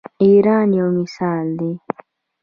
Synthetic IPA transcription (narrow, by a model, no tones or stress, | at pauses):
iːɾaːnjawmɪsaːld̪e